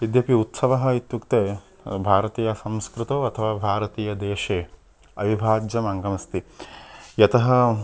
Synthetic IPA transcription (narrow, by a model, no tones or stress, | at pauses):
id̪jɐpiut̪sɐʋɐɦɐ̆it̪jukt̪eː | bʱaːɾɐt̪iːjɐsɐmskɾut̪oːɐt̪ʰɐʋaːbʱaːɾɐt̪iːjɐd̪eːʃeː | ɐʋibʱaːd͡ʒjɐmɐŋɡɐmɐst̪i | jɐt̪ɐɦɐ